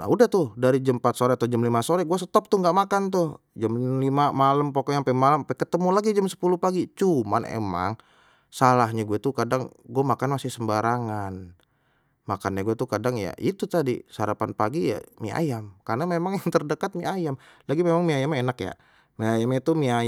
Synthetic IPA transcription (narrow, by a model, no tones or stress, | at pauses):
na̰udaht̪ʊhdaɾid͡ʒəmpat̪soɾɛat̪awd͡ʒəmlimasoɾɛɡuas̬ət̪ɔp̚t̪ʊŋɡaʔmakant̪ʊh | d͡ʒamlimamaləmpokɔʔɲapɛmalamapɛkət̪əmulaɡid͡ʒamsə̥puluhpaɡit͡ʃuma̰nḛma̰ŋ | salahɲaɡuɛt̪ukadaŋɡuamakanmasɪhsəmbaɾaŋan | makanɲaɡuɛt̪ukadaŋja̰ʔit̪ut̪adḭsəaɾapanpaɡija̰mḭa̰jamkarnamemaŋjaŋt̪ərdəkat̪̚miajamlaɡimemaŋmiajamenakja̰ | miajamɲat̪umiaj